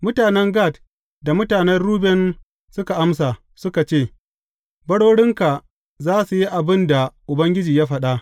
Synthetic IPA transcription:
mʊ˦taː˨nɛ˦ŋɡaː˦˨t | da˨mʊ˦taː˨nɛ˦rɽuː˦bɛ˨n | sʊ˦ka˨ʔa˦ms̬a˨ | sʊ˦ka˨t͡ʃeː˦˨ | bɐ˦ɽoː˦ɽɪ˦ŋka˨ | zaː˦su˨ji˦ʔa˨bɪ˦nda˨ʔʊ˨bɐ˦ŋɡʲɪ˦d͡ʒiː˨jaː˦ɸɐ˨ɗa˦ʔ

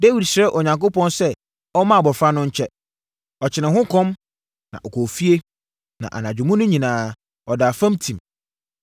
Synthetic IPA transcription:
de˦wi˨dsɾɛ˦ʔo˨ɲã˨ŋko˦pɔ̃˦nsɛ˦ | ɔ˦mã˦a˨bɔ˨fa˦nʊ̃˦ɲ̩˦t͡ɕʰɛ˦ | ɔ˨t͡ɕʰɪ˨nɪ̃˨hʊ̃˦kʰɔ̃˦m | nã̰˨ʔɔ˨kʰɔ˨fi˦e˦ | nã̰˨ʔa̰˨nã˨d͡ʑᶣʊ˨mʊ̃˦nʊ̃˦ɲĩ˨nãː˨˦ | ɔ˨da˨fã˦mtʰĩ˨m

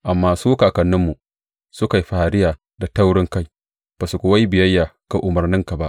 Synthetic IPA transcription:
ʔa˨mːaː˨suː˦kaː˨kɐ˨nːɪ˦mːu˨ | sʊ˦ka˨jɸa˨a˨ɾɪ˦jaː˨ | da˨ta˦wɽɪ˦ŋka˦j | b̥a˨su˨kʷʊ˦wa˦jbɪ˨jɐ˦jːaː˨ka˨ʔʊ˨mɐ˨rnɪ˦ŋka˨ba˦ʔ

